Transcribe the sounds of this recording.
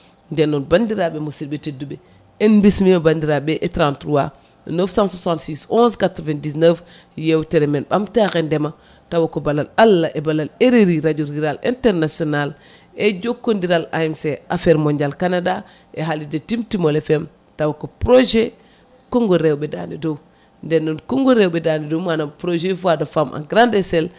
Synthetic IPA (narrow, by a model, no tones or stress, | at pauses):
ndɛnːɔnbandiɾabemosiɾbetedːube | enbismimbandiɾabeʔetɾãntɾuwa | nəfsãnsasãntsisɔ̃nskatɾovendisnəf | jewteɾemenɓamtaxendɛma | tawakobalalalːaʔebalaleɾeɾiɾaɟoɾiɾalḛ̃nteɾnasional | eɟokːondiɾala̰imseafeɾmoɲɟalkanada | eɦalidɐtimtimolefem | tawokopɾoʒe | koŋɡoɾewbeda̰nidow | ndenːonkoŋɡoɾewbedanidomanapɾoʒefuadafamʔa̰ɡɾandesel